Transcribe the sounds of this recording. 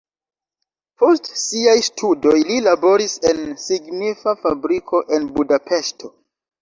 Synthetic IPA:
po̞stsiajstʰudo̞jlilabo̞ɾise̞nsiɡnifafabɾikʰo̞ʔe̞nbudape̞ʃtʰo̞

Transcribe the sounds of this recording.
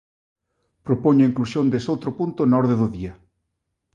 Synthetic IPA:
pɾopoɲʊiŋklusjond̪esowt̪ɾopunt̪onɔɾðeðʊðia

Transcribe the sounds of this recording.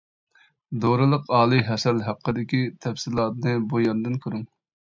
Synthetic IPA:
d̪oɾɨlˠəqɑːlˠɨɦɛsɛlɦæqʰːəd̪ɪkʲit̪ʰɛfsɪlˠɑt̪nɨbujɑnd̪ɨnkʲʰøɾuŋ

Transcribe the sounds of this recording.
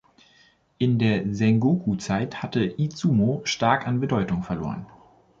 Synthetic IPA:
ʔɪndeːɐzɛŋɡoːkʰut͡saɪthatəʔit͡suːmoʃtaɐkanbədɔʏtʊŋfɛɐlo̰ːʁə̰n

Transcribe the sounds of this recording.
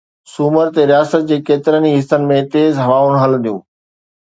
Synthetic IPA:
suːməɾt̪eɾijaːsət̪̚d͡ʑeːkeːt̪ɪɾəniɦɪsənɪ̆mẽt̪eːzɦɐʋaːʊnɦɐləd̪ijṵ̃ː

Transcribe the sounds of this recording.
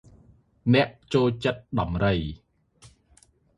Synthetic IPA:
nɛ̆əʔt͡ɕoːlt͡ɕət̪̚ɗɑmrəj

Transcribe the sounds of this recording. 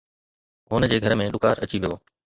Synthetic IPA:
ɦʊnəd͡ʑeːɡʱɐɾmẽɗʊkaːɾɐt͡ɕiʋijoː

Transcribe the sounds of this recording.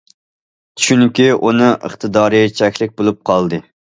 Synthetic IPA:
t͡ʃt͡ʃʰynkʲiunɨʔə̰χt̪ʰɨd̪ɑːɾɨt͡ʃʰɛkʲlɪk̚ʲbolˠup̚qʰɑlˠd̪ɨ

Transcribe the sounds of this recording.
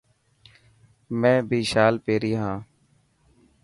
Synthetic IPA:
mɛ̃ːbʱiːʃaːlpeːɾiːɦãː

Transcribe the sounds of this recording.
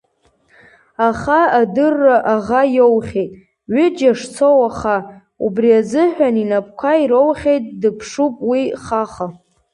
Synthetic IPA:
aχaadɨrːaʔaʁajowχʲejtʼ | ɥʏd͡ʒaʂt͡sʰo̞waχa | ṵbriazɨħᶣaninapʰʼkʷʰaiɾowχʲejtʼdɨpʰʂupʼwiχaχa

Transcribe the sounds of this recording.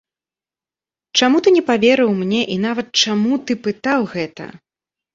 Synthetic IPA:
t͡ʂamut̪ɨnʲɛpavʲɛɾɨwmnʲɛʔinavɐt̪̚t͡ʂamut̪ɨpɨt̪awɣɛt̪ɐ̰

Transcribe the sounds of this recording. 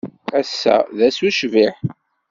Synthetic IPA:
æsːæ̰ðæsuʃviħ

